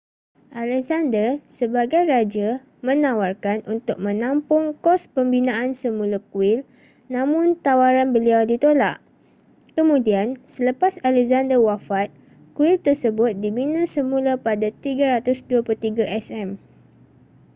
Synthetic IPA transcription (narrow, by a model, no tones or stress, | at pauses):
ʔalɛkzandərsəbaɡajrad͡ʒa | mə̃nawarkanʔunt̪ʊk̚mə̃nãmpʊŋkɔspəmbinãʔansəmũlakuɪl | nãmʊ̃nt̪awaɾanbəliawdit̪ola̰ʔ | kəmũdiansələpasalɛkzandərwafat̪̚ | kuɪlt̪ərsəbʊt̪̚diminãsəmũlapadat̪iɡaɾat̪ʊsduapult̪iɡaʔɛsɛm